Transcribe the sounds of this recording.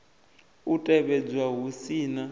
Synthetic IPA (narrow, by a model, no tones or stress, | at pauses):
utʼɛɓɛd͡zwaɦusiːna